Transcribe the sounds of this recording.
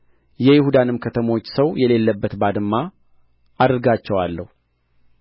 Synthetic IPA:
jɛjɪhud̪anɨmkʰət̪ʰəmo̞t͡ʃːsəwjɛle̞lːəbːət̪bad̪ɨmːa | ʔad̪ɾɡat͡ʃːɛwalːəhu

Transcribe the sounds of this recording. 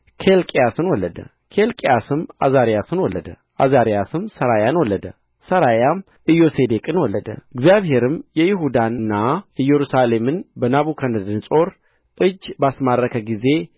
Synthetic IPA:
kʰelkʼijasɨnwɔlːəd̪ə̰ | kʰelkʼjasɨma̰zaɾijasɨnwɔlːəd̪ə̰ | ʔazaɾijasɨmsəɾajanwɔlːəd̪ə̰ | səɾajam | ʔɨjose̞d̪ekʼɨnwɔlːəd̪ə̰ɨɡzjaβhe̞ɾɨmjɛjɪɦud̪anɨnːaɨjːɛɾusale̞mɨnbənaβukʰanɨd̪ɨnsʼo̞ɾ | ʔɨd͡ʒːbasmarːəkʰəɡize̞

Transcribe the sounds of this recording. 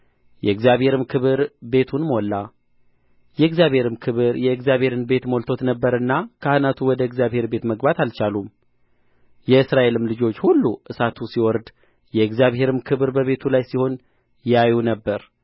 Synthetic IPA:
jɛɨɡzijaβhe̞ɾɨmkʰɨβɨɾbe̞t̪ʰunmo̞lːa | jɛɨɡzjaβhe̞ɾɨmkʰɨβɨɾjɛɨɡzjaβhe̞ɾɨnbe̞t̪mo̞lt̪ʰo̞t̪nəbːəɾɨnːakʰahɨnat̪ʰuwɔd̪əɡzjaβhe̞ɾbe̞t̪məɡbat̪alt͡ʃalum | jɛɨsɾaʔe̞lɨmlɨd͡ʒo̞t͡ʃːhulːuʔɨsat̪ʰusiwɔɾd̪ | jɛɨɡzijaβhe̞ɾɨmkʰɨβɾbəβe̞t̪ʰulajsiho̞n | jajunəbːəɾ

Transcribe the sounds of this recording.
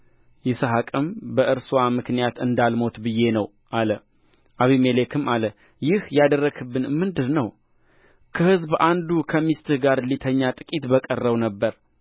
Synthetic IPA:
jɪsəɦakʼɨmbəʔɨɾswamɨknijat̪ɨnd̪almo̞t̪bɨje̞nəw | ʔalə | ʔaβimelekʰɨmalə | jɪhjad̪ərːəɡʰɨbːɨnmɨnd̪ɨnnəw | kʰəhɨzbʔand̪ukʰəmist̪ʰɨhɡaɾlit̪ʰəɲːat̪ʼɨkʼit̪bəkʼərːəwnəbːəɾ

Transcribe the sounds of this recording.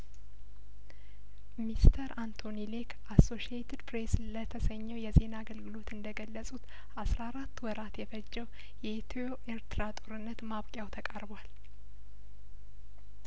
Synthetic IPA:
mist̪ʰəɾant̪ʰo̞nilekʰʔasːo̞ʃiet̪ʰid̪pʰɾe̞slət̪ʰəsəɲːəwjɛze̞naɡəlɡɨlo̞t̪ɨnd̪əɡəlːəsʼut̪ | asɾaːɾat̪ːwɔɾat̪jɛfəd͡ʒːəw | jɛt̪ʰoʔeɾt̪ʰɨɾat̪ʼoɾɨnːət̪maβkʼjawt̪ʰəkʼaɾbwal

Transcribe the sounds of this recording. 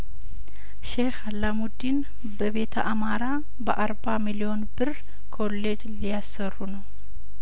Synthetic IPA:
ʃehalːamud̪in | bəβe̞t̪ʰəʔamaɾa | bəʔaɾbamilio̞nbɨr | kʰo̞le̞d͡ʒlijasːərːunəw

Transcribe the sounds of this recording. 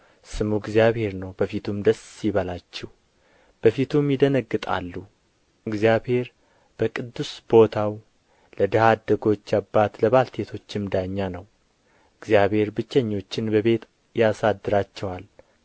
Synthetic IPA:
sɨmuɡzijaβhe̞ɾnəwbəfit̪ʰumd̪əsjɪβəlat͡ʃːɛh | b̥əfit̪ʰumjɪd̪ənəɡːɨt̪ʼa̰lːu | ɨɡzijabhe̞ɾ | b̥əkʼɨd̪ːusbo̞t̪ʰaw | ləd̪əhad̪əɡo̞t͡ʃːabːat̪ləβalt̪ʰe̞t̪ʰo̞t͡ʃːɪmd̪aɲːanəw | ɨɡzjaβhe̞ɾbɨt͡ʃːɛɲːo̞t͡ʃːɪnbəβe̞t̪ | jasad̪ːɨɾat͡ʃːɛwal

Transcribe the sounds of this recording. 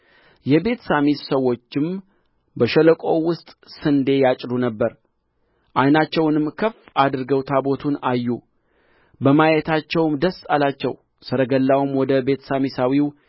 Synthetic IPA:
jɛbe̞t̪ʰsamit̪səwːo̞t͡ʃːɪm | bəʃələkʼo̞wʊst̪ʼsɨnd̪e̞jat͡ʃʼɾunəbːəɾ | ʔajnat͡ʃːɛwnɨmkʰəfad̪ɨɾɡəwt̪ʰabo̞t̪ʰunajːu | bəmajɛt̪ʰat͡ʃːɛwmd̪əsːalat͡ʃːɛ̰w | sɨɾəɡəlːawumwɔd̪əbe̞t̪ʰsamisawiw

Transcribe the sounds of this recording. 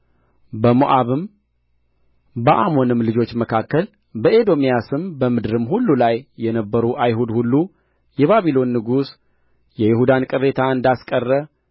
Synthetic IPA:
bəmoʔaβɨm | bəʔamo̞nɨmlɨd͡ʒo̞t͡ʃːməkʰakːəl | bəed̪o̞mijasɨmbəmɨd̪ɾɨmhulːulajːɛnəbːəɾuʔajɦud̪hulːu | jɛβaβilo̞nːɨɡus | jɛjɪhud̪ankʼɨrːe̞t̪ʰaɨnd̪askʼərːə

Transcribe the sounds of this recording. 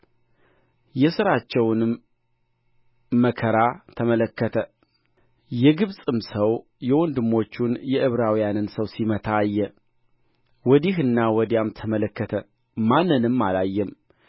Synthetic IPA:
jɛsɨɾat͡ʃːɛwnɨm | əkʰəɾat̪ʰəmələkːət̪ʰə | jɛɡɨβsʼɨmsəw | jɛwɔnd̪ɨmːo̞t͡ʃːunjɛʔɨβɾawijanɨnsəwsimət̪ʰajːɛ | wɔd̪iɦɨnːawɔd̪ijamt̪ʰəmələkːət̪ʰə | manːɨnɨmːalajːɛm

